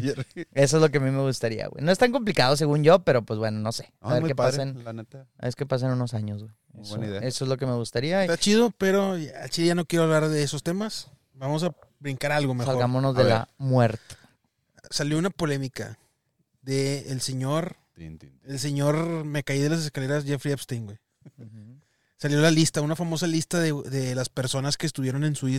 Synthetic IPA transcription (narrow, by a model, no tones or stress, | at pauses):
jeɾe̞s̬oe̞zloke̞amime̞ɣust̪aɾia̰ɣwḛjno̞e̞st̪aŋk̬o̞mp̬likaðo̞s̬e̞ɣunʝo̞pe̞ɾo̞pwe̞zbwe̞no̞no̞se̞a̰βeɾkeaɾsenlanet̪aa̰βeɾkepas̬enuno̞saɲo̞zɣwe | eswenaiðeeso̞ezlo̞ke̞me̞ɣust̪aɾiast̪at͡ʃið̞opeɾo̞a̰lt͡ʃileʝanokjeɾoβlaɾðeeso̞st̪emas | bamos̬a | bɾiŋkaɾalɣomexsalɣamonozðela̰mweɾt̪e̥ | saljo̞unapo̞le̞mika̰ | ðe̞ːlse̞ɲo̞ɾ | els̬e̞ɲo̞ɾmekaið̞elas̬e̞skale̞ɾasʝefɾiapst̪iŋɡwej | saljo̞lalist̪aunafamo̞salist̪aðeðe̞laspe̞ɾso̞naske̞ːs̬t̪uβje̞ɾone̞nsui